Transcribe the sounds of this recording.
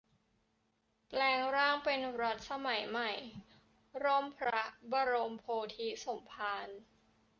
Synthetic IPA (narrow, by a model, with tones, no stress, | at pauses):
plɛː˧ŋɾaː˥˩ŋpe˧nɾo˦˥t̪̚sa˧ma˩˦jma˨˩j | ɾo˥˩mpʰɾa˦˥baː˧ɾo˧mpʰoː˧t̪ʰi˦˥so˩˦mpʰaː˧n